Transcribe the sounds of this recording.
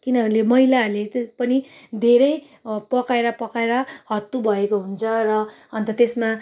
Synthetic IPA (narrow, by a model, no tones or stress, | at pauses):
kinʌʌnlemʌɦilarlepʌnid̪ʱeɾʌj | pʌkaeɾʌpʌkaeɾʌɦʌt̪ːubʱʌekoɦunt͡sʰʌrʌː | nt̪ʌt̪esma